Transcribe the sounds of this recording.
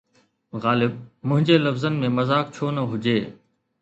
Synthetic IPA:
ɣaːlɪb̚mʊ̃ɦɪ̃ɲd͡ʑeːlɐfzənmẽmɐzaːk̚t͡ɕʰoːnəɦʊd͡ʑeː

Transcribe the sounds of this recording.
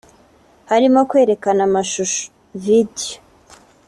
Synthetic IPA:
haɾimokwe̞ːɾe̞kanamaʃuʃo̥ | vido

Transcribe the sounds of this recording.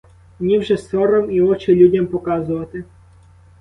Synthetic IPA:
mnʲiwʒɛsɔɾɔmiɔt͡ʃɪlʲudʲɐmpɔkɑzʊʋɐt̪ɪ

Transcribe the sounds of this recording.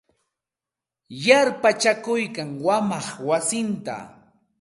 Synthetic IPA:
jaɾpat͡ʃakʊjkaŋwamɑχwasɪnt̪a̰

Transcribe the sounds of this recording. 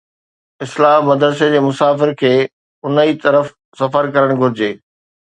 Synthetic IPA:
ɪslaːɦmɐd̪ɾəs̬ed͡ʑeːmʊsaːfɪɾkʰeː | ʊnəit̪ɐɾəf | sɐfəɾkɐɾəɽ̃ɡʱʊɾɪd͡ʑeː

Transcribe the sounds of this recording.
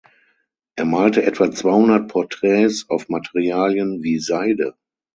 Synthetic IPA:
ʔeːɐmaːltəʔɛtv̥at͡sv̥aɪhʊndɐt̚pʰɔɐtʁ̥ɛːsaʊfmatʰeʁiaːljənviːzaɪdə̰

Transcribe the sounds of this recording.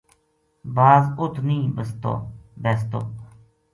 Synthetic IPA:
baːzʊt̪ʰnĩːbəst̪o̰ːbɛːst̪o̰ː

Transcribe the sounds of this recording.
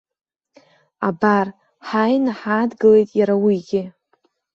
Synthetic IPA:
abar | ħajnaħadɡɨle̞jtʼjaɾawiɡʲɪ

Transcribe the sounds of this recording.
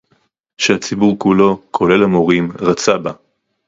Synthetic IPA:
ʃehat͡sibuʁkulo̞kʰo̞le̞lamoʁimʁat͡saba

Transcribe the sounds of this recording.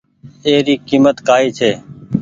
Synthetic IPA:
eːɾiːkiːmət̪kaːiːt͡ʃʰeː

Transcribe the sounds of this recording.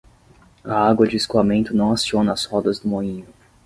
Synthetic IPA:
aaɡwɐd͡ʒɪiskuamẽnt̪ʊnɐ̃w̃asiõnɐːshɔd̪ɐzd̪ʊmoĩɲʊ

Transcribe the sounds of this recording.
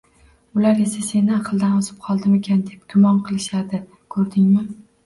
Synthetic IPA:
ʊlaɾe̞sase̞nːɪaqʰɨlˠd̪anɒzɪp̚qʰɒlˠd̪ɪme̞kʲʰand̪e̞p̚ɡ̥ʲʊmɒnqʰɨlˠɪʃad̪ɪ | kʰɵɾd̪ɪŋmɪ

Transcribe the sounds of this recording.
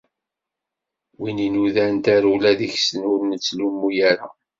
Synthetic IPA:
wininuðænt̪æɾulæðiçsənʊɾnət͡sːlumːujæɾa

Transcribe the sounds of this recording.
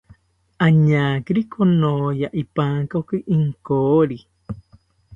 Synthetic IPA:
aɲakɨɾikonojaʔipakokɨʔiŋkoːɾi

